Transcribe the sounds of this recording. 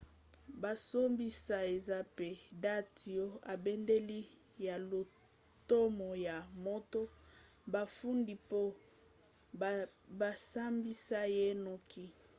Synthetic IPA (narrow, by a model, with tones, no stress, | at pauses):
ba˨so˦mbi˦sa˨e˨za˦pe˨da˦ti˨o˦a˨bɛ˦nde˦li˦ | ja˨lo˨ | to˦mɔ˨ja˨mo˦to˦ | ba˨fu˦ndi˨po˦ | ba˨sa˦mbi˦sa˦je˦no˨kʰi˦